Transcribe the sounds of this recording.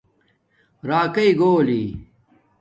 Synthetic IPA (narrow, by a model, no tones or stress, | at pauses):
ɾaːkɐiɡoːliː